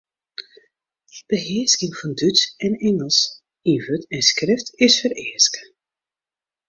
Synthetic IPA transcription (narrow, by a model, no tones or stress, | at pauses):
b̥əɦɪəskɪŋfɑndytsɛnɛŋəlˠs | ivətɛnskrɪftɪsfəɾɪːskə